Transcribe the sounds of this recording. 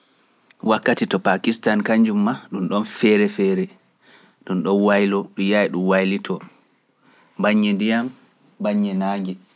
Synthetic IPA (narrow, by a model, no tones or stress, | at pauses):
wakːatitɔpakistankaɲd͡ʒumːaɗumɗɔnfɛɾɛfɛːɾɛ | ɗunɗɔnwajlɔɗujajiɗumwajlitʰɔ | baɲːɛndijam | baɲːɛnaːɡɛ